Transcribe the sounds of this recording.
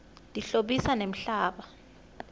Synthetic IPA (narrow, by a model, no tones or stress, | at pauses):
dʼiɬoɓisanem̩ɬaːɓa